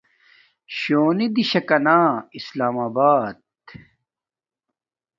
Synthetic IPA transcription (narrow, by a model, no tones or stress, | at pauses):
ɕoːnid̪iɕɐkɐnaːislaːmaːbaːd̪̚